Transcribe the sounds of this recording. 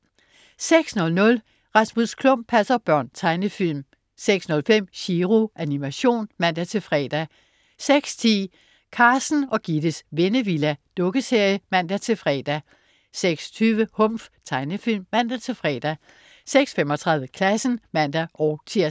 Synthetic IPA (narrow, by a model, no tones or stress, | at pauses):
seɡ̥snɔ̽lnɔ̽l | ʁɑ̈smuskʰlɔ̽m̰b̥̚pʰæsɐb̥ɶɐ̰nt͡sʰɑ̈ɪnəfil̰m | seɡ̥snɔ̽lfem̰ɕiʁoʔænimæɕo̝̰ːnmæn̰d̥æt͡sʰe̝lfʁɛ̰ːd̥æ | seɡ̥st͡sʰḭː | kʰɑ̈ːsn̩ɒ̽ɡ̥id̥əsʋe̝nəʋilæd̥ɔ̽ɡ̥əse̝ɐ̰jəmæn̰d̥æt͡sʰe̝lfʁɛːd̥æ | seɡ̥st͡sʰyːʋəhɔ̽m̰ft͡sʰɑ̈ɪnəfilmːæn̰d̥æt͡sʰe̝lfʁɛ̰ːd̥æ | seɡ̥sfemɒ̽t͡sʰʁɑ̈ðˠjəkʰlæsn̩mæn̰d̥æʔɒʊt͡sʰiɐ̰s